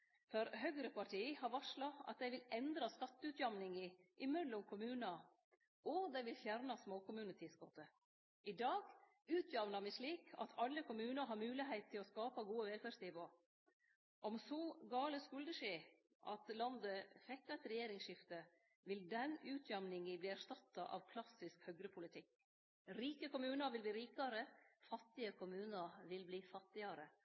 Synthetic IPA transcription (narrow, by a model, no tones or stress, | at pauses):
fɔɾhœɡɾəpʰɑʈʰiːhɑɾʋɑʂɭɑɑ̰t̪̚d̪æɪʋɪlɛnd̪ɾɑskɑt̪ːʉt̪jɑmnɪŋəʔɪmœlːʊmkʰʊmʉːnɑ | ɔd̪æɪʋɪlfjæɾnɑsmoːkʊmʉːnət̪ʰɪsɡɔt̪ə | ʔɪd̪ɑːɡ | ʉːt̪ʰjɑʋnɑɾmɪʂɭiːkʰɑ̰t̪ʰɑlːəkʰʊmʉːnɑɾɦɑɾmʉːlɪhɛɪt̪̚t̪ʰːɪlɔskɑːpɑɡuːəʋɛlfæːʂnɪʋoː | ʔɔmsɔɡɑːləskʉld̪əʂeː | ʔɑt̪lɑnd̪əfɛk̚t̪ɑɛt̪ɾɛjeːɾɪŋsʃɪft̪ə | ʋɪld̪ɛnʉːt̪ʰjɑmnɪŋəbliːæʂtɑt̪ːɑʔɑ̰ʋkʰlɑsɪskhœɡɾəpʰʊlɪt̪ʰɪk | ɾiːkəkʊmʉːnəɾʋɪlbliːɾiːkɑɾəfɑt̪ːɪəkʰʊmʉːnəɾʋɪlbliːfɑt̪ːɪɑɾə